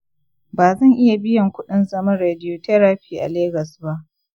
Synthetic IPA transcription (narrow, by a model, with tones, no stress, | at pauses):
baː˨zɐ˦˨ŋʔɪ˦ja˨bɪ˦jɐ˨ŋkʷʊ˦ɗɪ˦nzɐ˦mɐ˦nɾeː˨dɪ˦joː˨tɛ˦ɾaː˦ɸiː˦ʔa̰˨leː˦ɡɐ˨sba˦ʔ